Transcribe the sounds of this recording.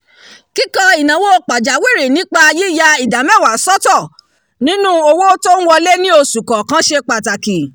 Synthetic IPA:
ki˦kɔ˧i˨nã˨wo˦k͡pa˨d͡ʒa˨˦wi˦˨ɾi˨nĩ˨˦k͡pa˧ji˦ja˧i˨da˨˦mɛ̃˦˨wa˨sɔ˦tɔ˦˨ | nĩ˨˦nũ˦o˧wo˦to˦n̩˦wɔ˧le˦nĩ˦o˧su˨kɔ˨kã˦ʃe˧k͡pa˨ta˨ki˨

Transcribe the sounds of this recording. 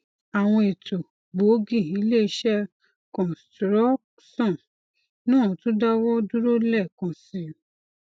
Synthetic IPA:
a˨w̃ɔ̃˧e˨to˨ | ɡ͡bo˨˦ɡĩ˦˨i˨˦le˦i˧˦ʃɛ˦ | kɔ̃˨stɾɔ˦ | sɔ̃˦˨ | nũː˦ɔ̃˨tũ˦da˦wɔ˦du˦ɾo˦lɛ˦˨kã˨si˨˦

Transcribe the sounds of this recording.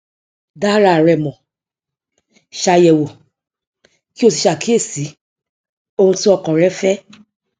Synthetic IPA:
da˦ɾa˧˨ɾɛ˨mɔ̃˨ | ʃa˧jɛ˨wo˨ | ki˦o˦˧s̬i˧ʃa˨ki˦e˦˨si˨˦ | o˧hũ˧ti˦ɔ˦˧˨kã˨ɾɛ˦fɛ˦

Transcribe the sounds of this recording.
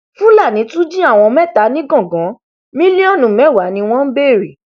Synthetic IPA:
fũ˦la˦˨nĩ˨˦tũ˦d͡ʒĩ˦a˦˨w̃ɔ̃˧mɛ̃˦˨ta˨˦nĩ˦ɡɔ̃˦˨ɡɔ̃˨˦ | mĩ˦li˦ɔ˦˨nũ˨mɛ̃˨˦˨wa˨˦nĩ˧w̃ɔ̃˦m̩˦be˦˨ɾi˨

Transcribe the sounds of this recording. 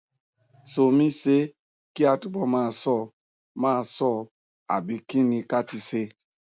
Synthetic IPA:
so˨mĩ˦se˦ | ki˦a˨tu˦bɔ˦maː˦˨sɔ˦˨ | mãː˦˨sɔ˦˨ | a̰˨bi˨kĩ˦nĩ˧ka˦ti˦se˦

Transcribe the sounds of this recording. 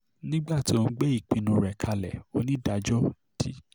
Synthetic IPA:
nĩ˦ɡ͡ba˦˨ti˨˦o˧n̩˦ɡ͡bɛ˦i˦˨k͡pĩ˧nũ˧˨ɾɛ˨kʰa˧lɛ̰˨o˦nĩ˦da˨˧d͡ʒɔ˦ | d̥i˦

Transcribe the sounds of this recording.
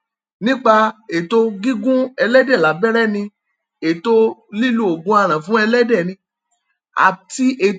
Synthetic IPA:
nĩ˦k͡pa˧e˨to˧ɡi˦ɡũ˦ɛ˧lɛ˦dɛ˦˨la˨˦bɛ˦ɾɛ˦˨nĩ˧ | e˨to˧li˦lu˦o˨ɡũ˧˦a˧ɾ̃ã˨fũ˦ɛ˧lɛ˦dɛ˦˨nĩ˧˦ | a̰˨ti˧ʔe˨

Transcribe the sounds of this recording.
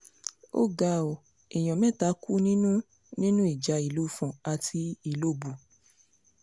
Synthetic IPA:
o̰˦ɡa˧˨o˨ | e˨j̃ɔ̃˨mɛ̃˦ta˧˦ku˦nĩ˦nũ˦ | nĩ˦nũ˦i˨d͡ʒa˨˧i˨lu˦˨fɔ̃˨a˨tʰi˧i˨lo˦˨bu˨

